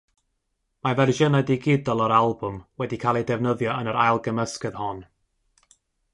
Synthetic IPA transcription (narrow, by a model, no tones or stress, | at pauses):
mavɛrʒənajdiɡɪdɔlˠɔɾalˠbʊmwɛdikʰalˠɛjdɛvnəðjɔənəɾajlˠɡəməskəð̥hɔn